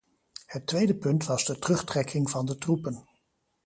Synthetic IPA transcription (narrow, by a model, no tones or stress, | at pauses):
hətːʋejdəpɵntʋɑzdətərɵχtrɛkʰɪŋvɑndətrupən